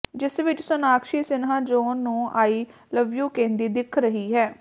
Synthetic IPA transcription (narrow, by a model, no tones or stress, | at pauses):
d͡ʒɪsʋɪt͡ʃsʊnaːkʃiːsɪnɦãːd͡ʒoːnːũːʔaːiː | ləʋjuːkẽːnd̪iːd̪ɪkʰɾəɦiːɦɛː